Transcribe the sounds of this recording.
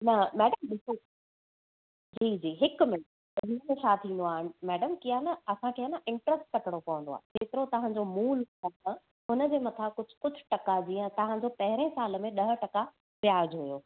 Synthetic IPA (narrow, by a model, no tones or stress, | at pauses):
nɐmɛːɖəmɗɪso | d͡ʑiːd͡ʑiːɦɪkmɪ̃ | ʊɦɪnmẽt͡ɕʰaːt̪ʰĩːnd̪oaːɦɪnɪ̆mɛːɖəmkijanɐɐsãkʰeːanaʔɪ̃ɳʈɾəsʈ̚kɐʈɽ̃okɐʋə̃nd̪oa̰ːkeːt̪ɪɾot̪ɐʋ̤ãɲd͡ʑomuːlaːkã | ɦʊnə̆d͡ʑeːmɐt̪ʰakʊd͡ʑʱʊ̥kʊd͡ʑʱʊ̥̆ʈɐkad͡ʑiːə̃t̪ɐɦãd͡ʑopɐɦɪɾẽsaːləmẽɗɐɦə̆ʈɐka | ʋɪjaːd͡ʑɦʊjoː